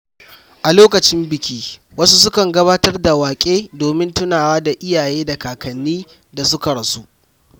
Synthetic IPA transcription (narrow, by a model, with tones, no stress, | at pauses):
ʔa˨loː˦kɐ˨t͡ʃɪ˦mbɪ˨kʲiː˦ | wɐ˦su˦s̬ʊ˦kɐ˨ŋɡɐ˦βaː˦tɐ˦rda˨waː˨kʲʼeː˦doː˨mɪ˦ntʊ˦naː˨waː˦da˨ʔɪ˦jaː˨jeː˦da˨kaː˨kɐ˨nːiː˦ | da˨sʊ˦kɐ˨ɽɐ˨su˦ʔ